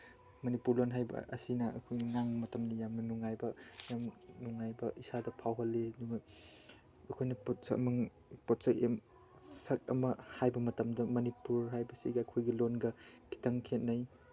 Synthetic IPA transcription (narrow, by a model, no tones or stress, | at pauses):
mɐnipuɾlonɦajbɐ̰ɐ̰sinɐɐ̰kʰojnɐŋaŋmɐtɐmnɐjamnɐnuŋajbɐjamnuŋajbɐisadɐpʰawɦɐlːeduŋɐ | ɐkʰojnɐpotsɐ̰mɐŋ | pot̚sɐkḛm | sɐk̚ɐ̰mɐhajbɐmɐtɐmdɐmɐnipuɾɦajbɐsḭɡɐːkʰojɡilonɡɐkʰi̥tɐŋkʰet̚naj